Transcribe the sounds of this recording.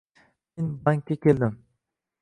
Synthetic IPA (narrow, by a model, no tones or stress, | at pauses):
menbaŋkʲːɛkʲeld̪ɪm